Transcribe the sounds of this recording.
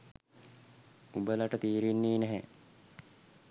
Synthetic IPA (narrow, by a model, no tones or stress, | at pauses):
ubəlaʈət̪iːɾinːiːnæɦɛ